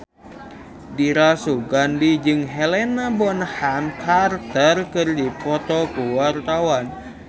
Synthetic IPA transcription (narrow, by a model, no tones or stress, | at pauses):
diɾasuɡandid͡ʒɨŋɦelenabɔnəhamkʰart̪ərkɨrdipɔt̪ɔkuwart̪awan